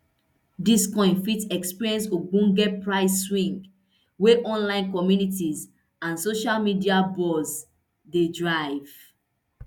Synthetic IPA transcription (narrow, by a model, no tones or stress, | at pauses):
diskɔ̃ɪ̃nfitɛkspiɹiɛ̃nsoɡũnɡɛpɹaɪsːwĩŋɡ | weʔɔ̃nlãɪ̃nkɔmjunitiz | ãnsoʃalmidiabɔz | dedɹaɪv̥